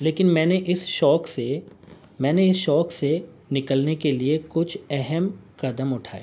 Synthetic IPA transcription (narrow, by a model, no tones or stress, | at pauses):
leːkɪnmɛ̃ːneʔɪsʃɔːkse | mɛ̃ːneɪsʃɔːkse | nɪkəlnekeliekʊt͡ʃʰɛɦɛmkɐd̪əmʊʈʰaːḛ